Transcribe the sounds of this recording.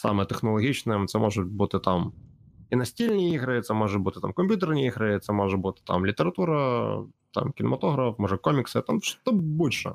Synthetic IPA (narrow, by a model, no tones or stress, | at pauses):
sa̰mɨjt̪əxnɐlˠɐɣʲit͡ɕnɨjt̪sɛmʔoʐɨt̪̚bɨt̪ɨt̪am | inɐsʲtʲilʲnʲɪjiɣɾɐjɪt̪sɛmoʐɨt̪̚bɨt̪ɨ̥t̪amkɐmʲpʲjut̪̬ərnʲɪjiɣɾɐjɪt̪sɛmoʐɨt̪bɨt̪ɨ̥t̪a̰mlʲɪt̪ʲəɾɐt̪uɾɐt̪a̰mkʲɪnəmɐt̪oɣɾɐfmɔʐɨkomʲɪksɨt̪amʂt̪ɐbulʲʂə̰